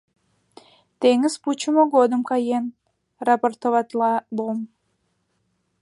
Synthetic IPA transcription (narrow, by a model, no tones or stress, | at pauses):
t̪eŋəzput͡ɕəmoɡod̪əmkɑjen | rɑport̪ovɑt̪lɑbom